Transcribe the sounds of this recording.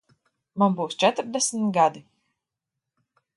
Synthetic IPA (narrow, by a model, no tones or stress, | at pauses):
manbuːst͡ʃɛt̪ɾd̪ɛsmt̪ɡad̪i